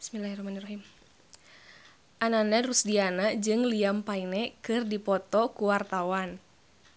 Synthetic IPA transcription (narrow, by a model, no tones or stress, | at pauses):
smilahɛrɔhmanirɔɦim | ʔananaɾusdianad͡ʒɨŋliampainɛkɨrdipɔt̪ɔkuwart̪awan